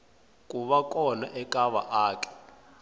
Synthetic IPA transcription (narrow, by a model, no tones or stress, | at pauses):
kʼuɓakʼɔna̰ʔɛkʼaβa̰ʔaːkʼɛ̥